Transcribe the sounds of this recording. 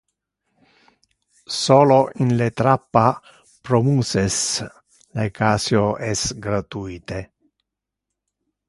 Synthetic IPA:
soːloʔinlet̪ɾapːa | pɾomuːses | lekaːsjoɛsɡɾat̪uit̪e

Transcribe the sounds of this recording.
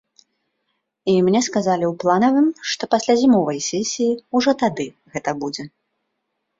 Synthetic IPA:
imnʲɛskazalʲiuwplˠanɐvɨmʂt̪ɔpasʲlʲazʲimɔvɐjsʲɛsʲijiuʐɔt̪ad̪ɨ | ɣɛt̪ɐbud͡zʲɛ

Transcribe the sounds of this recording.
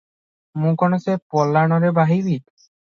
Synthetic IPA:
mũkɔnɔsepɔlːanɔɾebaɦibit̪

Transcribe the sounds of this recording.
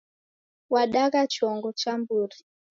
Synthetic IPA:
waɗakat͡ʃɔŋɡɔt͡ʃambuːɾi

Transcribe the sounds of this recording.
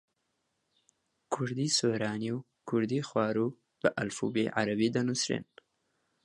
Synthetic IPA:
kʰʊɾd̪iːsoːɾɑːniw | kʰʊɾd̪iːxwɑːɾuː | b̥əʔalfṵːbḛʕa̰ɾabiːd̪ɐnusɾḛːn

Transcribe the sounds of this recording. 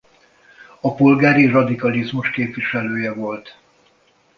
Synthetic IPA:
ɒpo̞lɡaːɾirɒd̪ikɒlizmuʃkeːpʋiʃɛløːjɛvo̞lt̪

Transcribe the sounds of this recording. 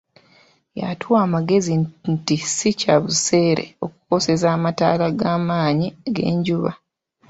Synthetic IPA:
ja̰tʰuwaːmaɡe̞zintisicaβuse̞ːɾe̞̰o̞kuko̞se̞zaːmata̰ːlaɡaːmaːɲiɡe̞̰ːɲɟuβa̰

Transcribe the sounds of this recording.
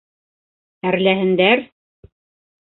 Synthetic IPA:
æɾlæɦɘ̆nd̪æɾ

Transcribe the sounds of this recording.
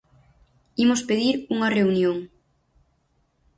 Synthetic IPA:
imospeðiɾuŋɐreunjoŋ

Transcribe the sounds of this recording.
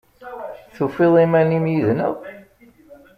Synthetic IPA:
θufiðˤimænimjiðnəʁ

